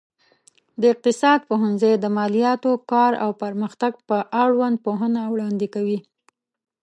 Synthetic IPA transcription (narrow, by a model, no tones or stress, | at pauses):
d̪əɪq̚t̪ɪsɑd̪̚poɦanzəjd̪əmɑlijɑt̪okɑɾa̰wpəɾməxt̪aɡ̚pəʔaɽwand̪̚poɦənawɽɑnd̪ɪkawi